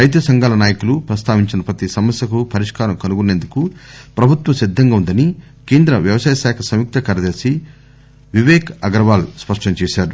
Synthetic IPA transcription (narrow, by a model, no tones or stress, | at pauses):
ɾɐjt̪̬ɐsɐŋɡaːlɐnaːjɐkulupɾɐst̪aːʋiɲt͡ʃinɐpɾɐt̪isɐmɐsjɐkupɐɾiʂkaːɾɐmkɐnuɡuneːnd̪ukupɾɐbʱut̪wɐmsid̪ʱːɐŋɡaːund̪ɐni | keːnd̪ɾɐʋjɐʋɐsaːjɐʃaːkʰɐsɐmjuk̚t̪ɐkɐɾɐd̪ɐːsi | ʋiʋɛːkɐɡɾɐʋaːluspɐʂʈɐɲt͡ʃɛːʃaːɾu